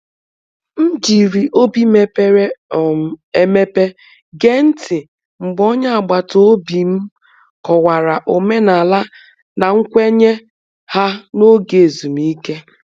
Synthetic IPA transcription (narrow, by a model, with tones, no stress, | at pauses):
m̩˦d͡ʒi˨ɾi˨ʔo˦bi˦me˦pe˦ɾe˦˨ | e˦me˦pe˦ | ɡe˦n̩˦tɪ˨ | ŋ͡m̩˨ɡ͡bɔ˦ɲa˦a˨ɡ͡ba˨to˦bi˨m̩˦ | kɔ˨wa˨ɾa˨ʔo˨me˦na˨la˦ | na˨ŋ̩˦kʷe˦ɲe˦ | ha˦no˦ɡe˨e˨zu˨m̩˦i˦ke˦